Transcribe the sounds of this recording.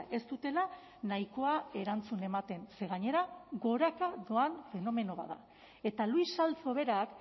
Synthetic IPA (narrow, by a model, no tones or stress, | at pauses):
e̞st̪ut̪e̞la | najko̞ae̞ɾant͡sune̞mat̪e̞nse̞ɣ̞aɲe̞ɾaɣo̞ɾakaðo̞anfe̞no̞me̞no̞βa̰ða̰ | e̞t̪aluisalt͡so̞β̞e̞ɾak